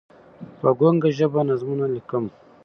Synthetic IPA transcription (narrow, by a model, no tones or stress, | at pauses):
paɡoŋɡaʒəbanazmunalikəm